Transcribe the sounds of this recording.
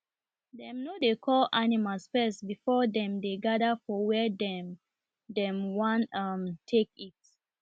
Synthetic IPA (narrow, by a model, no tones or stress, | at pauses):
dɛ̃mnodekʰɔlʔanimalsfɛsbifɔdɛ̃mdeɡadəfɔwɛdɛm | dɛ̃mwãnʌmtʰek̚it̚